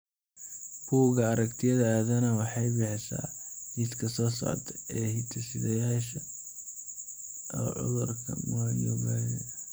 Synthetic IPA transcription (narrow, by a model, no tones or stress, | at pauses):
kʰuwɣɐːɾɐkt̪ʰɪjɐðɐaːðɐnɐwɑħɑjbɪħɪsa̰ːmɪskʰɐsɔːsa̰ːrt̪ʰɛʔɛːhɪt̪ʰɐsɪðɐjaːʃɐ | ɔ̰ːʕʊ̰ðʊrkʰɐ̰mʊɐjɔɡaːnɐ